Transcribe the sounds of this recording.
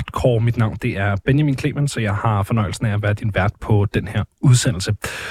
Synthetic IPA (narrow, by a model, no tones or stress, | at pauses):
d̥kʰɒ̰ːmid̥nɑ̈ʊ̰nd̥e̝ʔæɐb̥enjɑmḭːnkʰle̝̰ːmənsɒ̽jɑ̈ɪhɑ̈fɒ̽nɒ̽ɪ̰l̩sn̩ææʋæɐðˠd̥inʋæɐd̥pʰɒ̽d̥enheɐuð̞ˠsen̰l̩sə